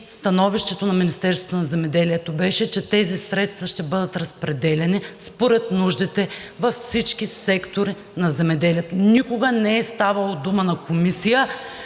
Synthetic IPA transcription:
st̪ɐnɔviʃt̪ɛt̪onɐminist̪ɛɾsvo̥t̪onɐzɛmɛd̪ɛliɛt̪obɛʃɛt͡ʃɛt̪ɛzisɾɛt̪st̪vɐʃt̪ɛbɤd̪ət̪ɾɐspɾɛd̪ɛlʲɛnispoɾɛt̪nuʒd̪it̪ɛvɐfsit͡ʃkisɛkt̪oɾi | nɐzɛmɛd̪ɛliɛt̪onikʊɡənɛɛst̪avɐlˠod̪umənɐkomisijə

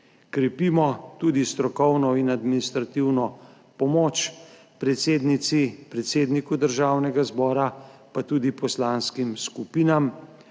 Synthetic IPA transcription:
kɾɛpiːmɔt̪uːd̪ist̪ɾɔkɔwnɔinad̪minist̪ɾat̪iwnɔ | pɔmoːt͡ʃ | pɾɛt̪seːd̪nit̪sipɾɛt̪seːd̪nikud̪əɾʒaːwnɛɡazbɔːɾapat̪uːd̪ipɔslanskimskupiːnam

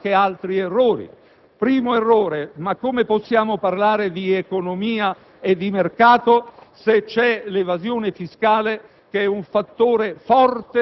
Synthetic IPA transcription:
kealt̪ɾierːoːɾḭ | pɾiːmoerːoːɾemakːomeposːjaːmoparlaːɾed̪iekonomiːa | ed̪ːimerkaːt̪oset͡ʃːɛlevazjoːnefiskaːle | keɛuɱfat̪ːoːɾefɔrt̪e

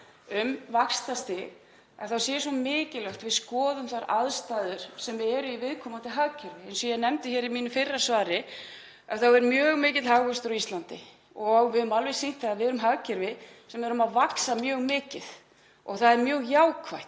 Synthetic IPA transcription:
ʏmvakst̪ast̪ɪɣ | ɛ̰nθawsjɛsɔmɪːcɪlœxt̪vɪðskɔːðʏmθaɾaðst̪aːðʏɾ̥sɛmɛɾʏivɪðkʰɔːmat̪ʰɪlɦaɣcʏɾvɪɛjnsɔjɛnɛmt̪ɪçɛɾimiːnʏfɪrːḁsvaːɾɪ | aθawɛɾmjœːɣmɪːcɪðɦaɣvʏst̪ɾɔist̪lant̪ɪ̰ | ɔɣvɪðʏmalvɛ̥sin̥t̪ʰaaðvɛːɾʏmɦaɣcɛɾvɪsɛmɛɾʏmaðvaksamjœːɣmɪːcɪð | ɔ̰ɣθaðɛɾmjœːɣjaːwkʰvajt̪

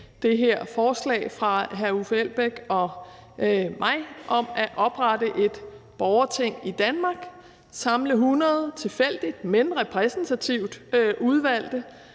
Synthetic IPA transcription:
d̥e̝ɦeɐ̰fɒːslɛ̰ːɪfʁɑ̈ɦæufel̰b̥eɡ̥ɒ̽ | mʔɑ̈ɪ̰ʔɒ̽mæʔɒ̽b̥ʁɑdəʔe̝d̥b̥ɒʊɐt͡sʰe̝ŋ̰id̥ænmɑ̈ɡ̥ | sɑ̈mləɦunɐð̞ˠt͡sʰe̝fel̰d̥id̥menʁɛpʰʁɛsn̩t͡sʰæt͡sʰiʊ̰d̥øʔuð̞ˠʋæl̰d̥ə

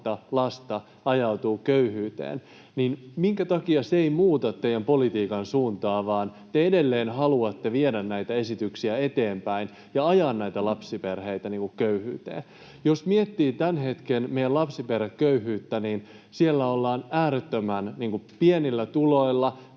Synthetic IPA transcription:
t̪ɑlɑst̪ɑ | ɑjɑut̪uːkøyhyːt̪ḛːn | ninmiŋkæt̪ɑkiɑseimuːt̪ɑt̪ːejæmpolit̪iːkɑnsuːnt̪ɑːʋɑːnt̪eedelːeːnhɑluɑt̪ːeʋiedænnæjt̪æesit̪yksiæe̞t̪eːmpæin | jɑɑjɑːnnæjt̪ælɑpsiperheit̪æniːŋkukkøyhyːt̪ḛːn | josmiet̪ːiːt̪ænhe̞t̪kenmejælɑpsiperːekkːøyhyːt̪ːæniːn | sielːæolːɑːnæːɾet̪ːømænniːŋkupienilːæt̪ulo̞ilːɑ

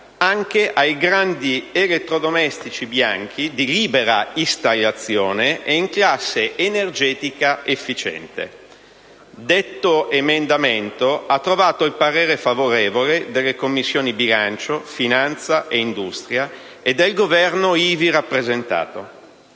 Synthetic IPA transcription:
aŋk̟eʔajɡɾand̪ielet̪ːɾod̪omɛst̪it͡ʃibjaŋk̟ʰid̪iliːbeɾaist̪alːat̪sːjoːneeiŋklasːeʔenerd͡ʒɛːt̪ikaefːit͡ʃɛ̰nt̪ḛ | d̪et̪ːoemend̪ament̪oat̪ːɾovaːt̪oilpaɾeːɾefavoɾeːvoled̪elːekomːisːjoːnibilant͡ʃofinant̪saʔeind̪ust̪ɾja | ed̪ːelɡovɛrnoiːviɾapːɾezent̪a̰ːt̪o

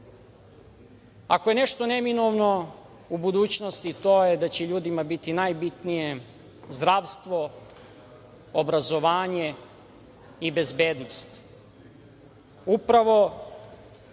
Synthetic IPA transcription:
akoje̞ne̞ʃt̪oneminoʋno | ubud̪uːt͡ɕnost̪it̪oːjed̪at͡ɕeʎuːd̪imabit̪inajbit̪nije | zd̪ɾaʋst̪ʋo̞ | obɾazo̞ʋaːɲe | ibe̞zbeːd̪nost̪ | upɾaʋo̞

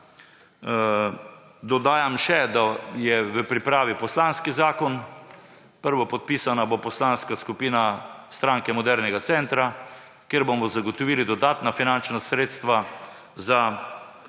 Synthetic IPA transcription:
d̪ɔd̪aːjamʃɛd̪ajɛʋəpɾipɾaːʋipɔslanskizaːkɔn | pəɾʋɔpɔt̪̚piːsanabopɔslanskaskupiːnast̪ɾaːŋkɛmɔd̪ɛɾnɛɡat̪sɛnt̪ɾa | kjeɾbomɔzaɡɔt̪ɔʋiːlid̪ɔd̪aːt̪nafinant͡ʃnasɾeːt̪st̪ʋa | za

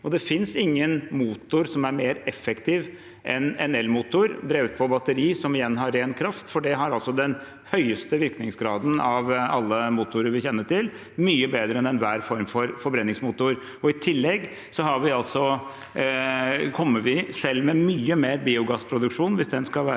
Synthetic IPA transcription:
ɔd̪ɛfɪnsɪŋːənmuːt̪ʊɾsɔmæɾmeːɾɛfːɛkt̪ʰiːʋ | ʔɛnɛnɛlmuːt̪ʊɾd̪ɾeːʉːt̪̚pʰɔbɑt̪əɾiːsɔmɪjɛnːɦɑɾeːnkʰɾɑft̪fɔɖɛɦɑɾɑlsɔd̪ɛn | hœʏəst̪əʋɪɾknɪŋsɡɾɑːd̪n̩ɑʋɑlːəmuːt̪ʊɾəɾʋɪçɛnːəʈɪl | myːəbeːd̪ɾəɛnɛnʋæːɾfɔɾmfɔɾfɔɾbɾɛnːɪŋsmuːt̪ʊɾ | ɔɪt̪ʰɪlːɛɡ | sɔhɑɾʋɪɑlsɔ | kʰɔmːəɾʋɪsɛlːmɛmyːəmeːɾbiːʊɡɑspʰɾʊd̪ʉkʂuːnʋɪsd̪ɛnskɑlʋæː

